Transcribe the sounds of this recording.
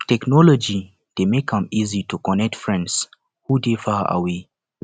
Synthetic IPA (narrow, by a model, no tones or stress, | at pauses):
tɛknɔlɔd͡ʒi | d̥emekʰãmizitukɔnɛk̚tfɹɛ̃nds | hudefaa̰we